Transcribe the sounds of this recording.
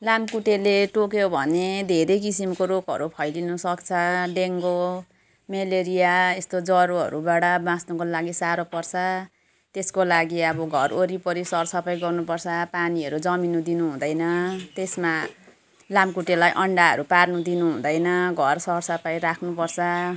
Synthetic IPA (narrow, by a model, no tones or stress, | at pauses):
lamkuʈeleʈokjobʱʌned̪ʱeɾejkisimkoɾokɦʌ̰ɾupʰʌjlinʌsʌkt͡sʰʌɖeŋɡo | meleɾijaest̪od͡zʌɾoɦʌ̰ɾubaɽʌbãsnukolaɡisaɾopʌrt͡sʰʌ | t̪eskolaɡiʌbʌɡʱʌroɾipʌɾisʌrsʌpʌjɡʌrnupʌrt͡sʰʌpaniʌɾud͡zʌminud̪inuɦũd̪ʌjnʌt̪esma | lamkuʈelajʔʌɳɖaɦʌ̰ɾuparnud̪inuɦũd̪ʌjnʌɡʱʌrsʌrsʌpʌjɾakʰnupʌrt͡sʰʌ